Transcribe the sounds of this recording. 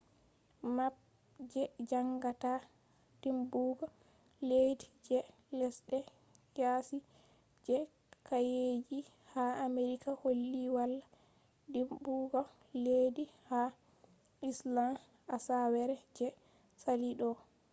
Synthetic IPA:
map̚ | d͡ʒɛd͡ʒaŋɡata | d̥imbuɡɔ | ledid͡ʒɛ | lɛsɗɛ | jasi | d͡ʒɛ | kajed͡ʒi | haameɾikaholːiwalːa | dimbuɡɔ | lediha | islam | asawɛɾɛd͡ʒɛ | saliɗɔ

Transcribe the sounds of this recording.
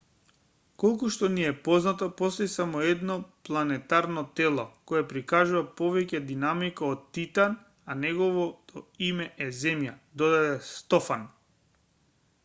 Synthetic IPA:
kɔlˠkuʃt̪ɔniɛpɔznat̪ɔpɔst̪ɔjsamɔɛd̪nɔplˠanɛt̪aɾnɔt̪ɛlˠɔkɔjɛpɾikaʒuvapɔvɛcɛd̪inamikaɔt̪t̪ːit̪an | anɛɡɔvɔt̪ɔimɛʔɛzɛmjad̪ɔd̪ad̪ɛst̪ɔfan

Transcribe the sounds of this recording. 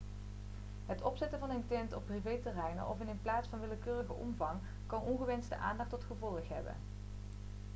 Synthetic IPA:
ɦətɔpsɛtəvɑnəntɛntɔpːrivejtərɛjnə̰ʔɔ̰fɪnənplaːtsfɑnʋɪləkøːrəɣəʔɔ̰mvɑŋ | kɑnɔnχəʋɛnstə̰ʔa̰ːndɑχtɔtχəvɔlˠəχɦɛ̰bə̰n

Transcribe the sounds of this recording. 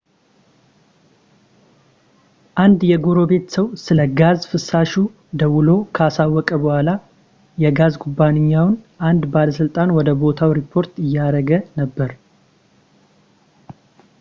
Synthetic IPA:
ʔand̪jɛɡoɾo̞be̞t̪səwsɨləɡazfɨsːaʃu | d̪əwʊlo̞kʰəasawːɔkʼəbəhʷala | jɛɡazɡʰubːaneɲːawnʔand̪baləsɨlt̪ʼanwɔd̪əbo̞t̪ʰawɾipʰːo̞ɾt̪ɪjːaɾəɡənəbːəɾ

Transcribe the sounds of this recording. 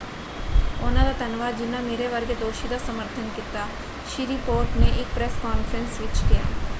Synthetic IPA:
oːnad̪at̪ɐnʋad͡ʒɪnameːɾeʋɐɾɡed̪oːʃid̪asɐməɾt̪ʰənkɪt̪a | ʃiɾipoːɾʈnẽʔeːk̚pɾɛskaːnfɾə̃nsʋɪt͡ʃkija̰ː

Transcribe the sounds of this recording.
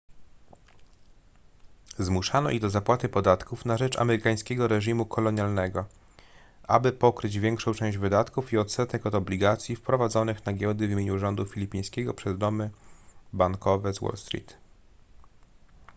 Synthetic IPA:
zmuʂanɔ̰ʔid̪ɔzapwat̪ɘpɔd̪at̪kufnaʐɛt͡ʂa̰mɛɾɘkaj̃skʲɛɡɔɾɛʐimukʰɔlɔɲjalnɛɡɔ | ʔabɘpɔkɾɘd͡ʑvʲjɛŋkʂɔ̃w̃t͡ʂɛ̃w̃ʑd͡ʑvɘd̪at̪kufiɔt̪sɛt̪ɛkɔt̪ɔblʲiɡat̪sʲjifpɾɔvad̪zɔnɘxnaɡʲjɔd̪ɘvʲimjeɲuʐɔnd̪ufʲilʲipʲĩj̃skʲɛɡɔpʂɛzd̪ɔmɘbaŋkʰɔvɛzwɔ̰lst̪ɾʲḭt̪

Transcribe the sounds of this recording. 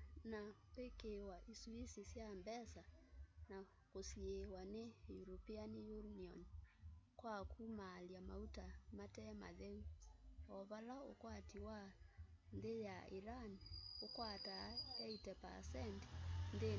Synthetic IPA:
napekewaʔiswisisjambɛsana | kosiewanejuɾopianijuniɔnkwakumaːljama̰utamatɛma̰ðɛuɔβalao̰kwatiwa | nðejaiɾaniokwatakɛitɛpa̰sɛnti̥nðe

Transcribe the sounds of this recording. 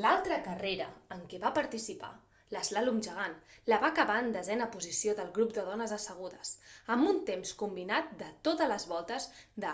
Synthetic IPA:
lalˠt̪ɾəkəreɾə̰əŋkɛβapəɾt̪isipa̰ | ləzlalumʒəɣ̞anləβakəβaənd̪əzɛnəpuzisioðəlˠɣɾupd̪əðɔnəzəsəɣ̞uðəsəmbunt̪emskumbinat̪̚d̪ət̪ot̪ələzβɔlˠt̪əzd̪ə

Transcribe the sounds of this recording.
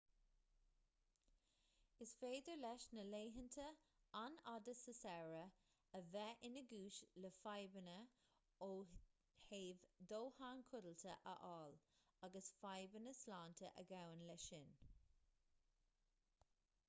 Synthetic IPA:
ɪsfeːd̪əɹlɛʃnəleːɦəntʰəanad̪əsəsɛɹəː | vɛʔɪnəɡuːʃləfajbənə | oː | heːvd̪oːhaːnkʰʊdəlt̪ʰə̰ʔə̰ʔɑːlaɡəsfajbənəslaːntʰəʔəɡawənlɛʃɪn

